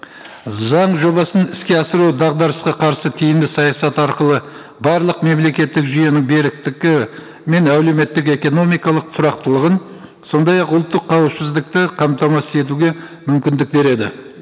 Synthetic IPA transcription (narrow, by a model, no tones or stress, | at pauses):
zɑɴʒo̞bɑsənɪskʲe̞ɑsəɾuwd̪ɑʁd̪ɑɾəsqɑqʰɑɾsət̪ʰijɪmd̪ɪsɑjɑsɑt̪ɑɾqəlˠə | bɑɾlˠəqme̞mle̞kʲe̞t̪ːɪkʒyje̞nɪŋbe̞ɾɪk̚t̪ɪkʲɪ | me̞næwleme̞t̪ːɪk̬e̞ko̞no̞mijkɑlˠəq̚t̪ʰʊɾɑqt̪əlˠəʁən | so̞nd̪ɑjɑqʊlˠt̪ːəqʰːɑwəpsɪzd̪ɪk̚t̪ɪqʰɑmt̪ɑmɑsə̥e̞t̪̬uɡʲe̞mʏmkʲɪnd̪ɪk̚be̞ɾe̞d̪ɪ